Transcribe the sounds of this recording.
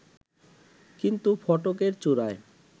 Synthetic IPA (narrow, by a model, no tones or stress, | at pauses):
kint̪ufɔʈokeɾt͡ɕuɾae